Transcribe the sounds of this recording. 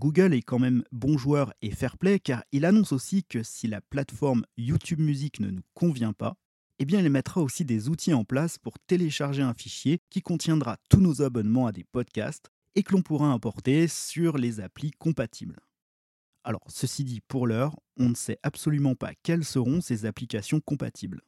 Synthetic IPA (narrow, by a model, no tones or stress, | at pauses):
ɡuɡʲəlɛkɑ̃mɛmbɔ̃ʒwœʁefɛʁplɛkaʁilanɔ̃sosikəsilaplat̪fɔʁmjut̪ʰybmyziknə̰nukʰɔ̃vjɛ̃pa̰ | ebjɛ̃ilmɛt̪χaosid̪ezut̪ʰiɑ̃plaspuʁt̪eleʃaʁʒeɛ̃fiʃjekʲikɔ̃t̪jɛ̃d̪ʁat̪unozabɔnmɑ̃ad̪epɔd̪kʲa̰st̪ | ekəlɔ̃puʁaɑ̃pɔʁt̪esyʁlezaplikɔ̃pat̪ʰibl | alɔ̰ʁsəsid̪ipuʁlœʁɔ̃nəsɛʔapsɔlymɑ̃pa̰kʲɛlsəʁɔ̃sezaplikasjɔ̃kɔ̃pa̰t̪ʰibl